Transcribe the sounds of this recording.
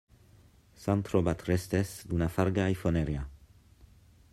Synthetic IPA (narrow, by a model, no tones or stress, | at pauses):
sant̪ɾobat̪ɾest̪esd̪unafaɾɡajfoneɾja